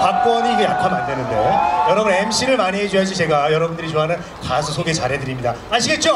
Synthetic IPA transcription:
pak̚k͈wʌɲiɡɯjakʰanmandwenɯnde̞jʌɾʌbune̞mɕʰiɾɯɭmaned͡ʑuad͡ʑʰit͡ɕe̞ɡajʌɾʌbundɯɾit͡ɕoɦanɯn | kasʰusʰoɡe̞t͡ɕaɾɦedɯɾimɲida | aɕʰiɡe̞t̚t͡ɕ͈o

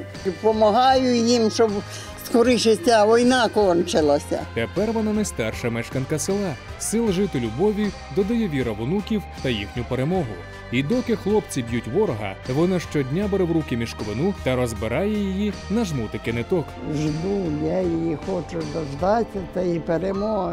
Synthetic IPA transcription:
ipɔmɐɦɑjʊjimʃɔb | skɔɾɪʃɪtʲaʋɔjnɑkɔnt͡ʃɪlˠɐsʲɐ̰t̪epɛrʋɔnɑnɐjst̪arʃɐmɛʃkɐnkɐsɪlˠɑ | sɪlˠʒɪt̪ɪlʲʊbɔʋʲi | d̪ɔd̪ɔjɔʋʲiɾɐʋʊnukʲiwt̪ɐjixnʲʊpeɾemɔɦʊ | id̪ɔkɪxlˠɔpt͡sʲibjutʲʋɔɾɔɦɐ̰ʋɔnaʃt͡ʃɔdʲnʲabɛɾɛwɾukɪmʲiʃkɔʋenut̪ɐɾɔzbeɾɑjɛjijinɐʒmut̪ɪkenɪt̪ɔkʒd̪ujajijixɔt͡ʃʊd̪ɔzd̪ɑtʲɐt̪ɐipeɾemɔɦ

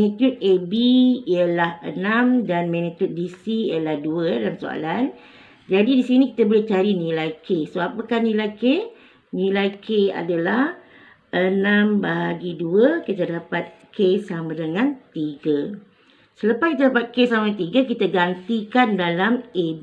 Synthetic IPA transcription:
nit̪jut̪̚ebiijəlahənãmdanmanit̪jut̪̚disiijəlahduəjalamso̰a̰lan | d͡ʒadidisinĩkit̪abolet͡ʃaɾinĩlajkʰesoapakahnĩlajke | nĩlajkʰea̰dalah | ʔənãmbaɦaɡiduəkit̪adapat̪̚kʰesamadəŋãnt̪iɡə | sələpaskit̪̬adapat̪̚kesamat̪iɡəkit̪aɡant̪ikandalameb

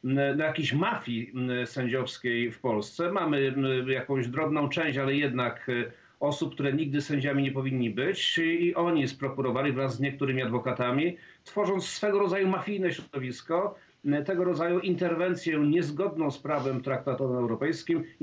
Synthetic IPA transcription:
najakʲeɕmafʲjisɛɲd͡ʑɔfskʲejfpɔlst̪sɛmamɘjakɔ̃w̃ʑd̪ɾɔbnɔ̃w̃t͡ʂɛ̃w̃ɕt͡ɕalɛjɛd̪nak | ɔsup̚kt̪uɾɛɲiɡ̚d̪ɘsɛɲd͡ʑamʲiɲɛpɔvʲiɲːibɘt͡ɕiʔɔɲispɾɔkuɾɔvaɲʲivɾazːɲɛk̚t̪uɾɘmʲiad̪vɔkat̪amʲit̪fɔʐɔnt̪ssːfɛɡɔɾɔd̪zajumafʲijnɛɕɾɔd̪ɔvʲiskɔ | t̪ɛɡɔɾɔd̪zajuʔint̪ɛɾvɛnt̪sʲjɛɲɛzɡɔd̪̚nɔ̃w̃spɾavɛmt̪ɾak̚t̪at̪ɔɛwɾɔpɛjskʲim

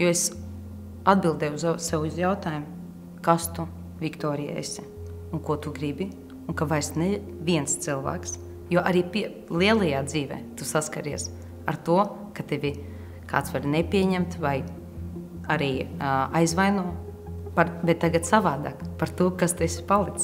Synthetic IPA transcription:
juɔes | ad̪̚bilˠd̪ɛjuzsɛwizjawt̪aːjum | kast̪u | vʲikt̪ɔːɾʲija̰ḛsʲi̥ | uŋkuɔt̪uɡɾibʲi | unkavajsnɛ | vʲiɛnst̪sɨlˠva̰ːks | juɔʔaɾiːpʲi | lʲˠiɛlˠɐjaːd̪ziːvɛ̰ːt̪usaskaɾiɛs | a̰ɾt̪uɔ | kat̪evʲi | ka̰ːt̪svaɾʲnepʲiɛɲɛmt̪vaj | aɾiːajzvajnuɔ | paɾbɛt̪ːaɡat̪savaːd̪a̰ːkpaɾt̪uɔkast̪esʲipalˠik̪

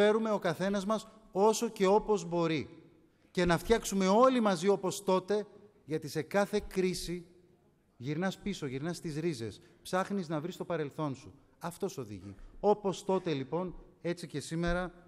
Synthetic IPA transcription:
e̞ɾume̞o̞kɐθe̞nɐzmɐs | o̞so̞ce̞o̞po̞zbo̞ɾi | ce̞nɐft̪çɐksume̞o̞limɐzio̞po̞st̪o̞t̪e̞ | ʝɐt̪ise̞kɐθe̞kɾisi | ʝiɾnɐspiso̞ʝiɾnɐst̪izɾize̞̰spsɐxniznɐvɾist̪o̞pɐɾe̞lθo̞nsu | ɐft̪o̞so̞ðḭʝḭo̞po̞st̪o̞t̪e̞lipo̞ne̞t͡sice̞sime̞ɾɐ

